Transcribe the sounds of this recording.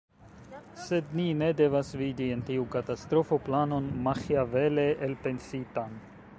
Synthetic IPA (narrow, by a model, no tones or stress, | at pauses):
se̞dnine̞de̞vasvidientiukatast̪ɾo̞fo̞plano̞nmaxiaveleʔelpe̞nsitan